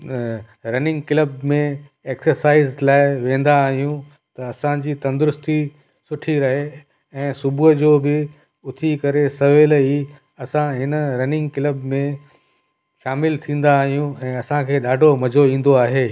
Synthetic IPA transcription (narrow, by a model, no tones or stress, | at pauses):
ɾɐnɪ̃ŋɡkɪləb̚mẽ | eːksəɾsaːɪzlaːɪʋẽːn̆d̪aːɦijũ | t̪ɐːsãd͡ʑiːt̪ɐ̃nd̪ʊɾʊst̪i | sʊʈʰiɾɐɦe | ɛ̃ːsʊbʱʊəd͡ʑoːbɪ | ʊt̪ʰikɐɾesɐʋeːli | ɐsãɦɪnəɾɐnɪ̃ŋɡkɪləbmẽ | ʃaːmɪlt̪ʰĩːn̆d̪aːɦijũɛ̃ːɐsãkʰeːɗaːɖʱomɐd͡ʑʱoĩːn̆d̪oaːɦeː